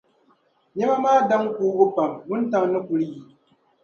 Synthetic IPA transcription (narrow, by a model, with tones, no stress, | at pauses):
ɲɛ˦ma˦maː˦da˦ŋkuː˦ɡʊ˦pa˨mbʊ˦n˦ta˦˨ŋ˦nɨ˦ku˨lɨ˦ji˨